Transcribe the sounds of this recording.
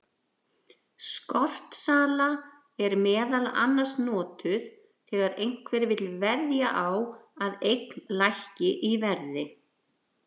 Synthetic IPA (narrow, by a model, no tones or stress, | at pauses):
skɔr̥t̪saːla | ɛɾmɛːðala̰nːḁsnɔːt̪ʏð | θɛːɣaɾejŋ̥kvɛɾvɪt̪lvɛɾðjaʔawaðejknlajhcɪʔivɛɾðɪ